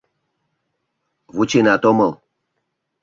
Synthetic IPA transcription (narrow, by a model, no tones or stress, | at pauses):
vut͡ɕenat̪oməlˠ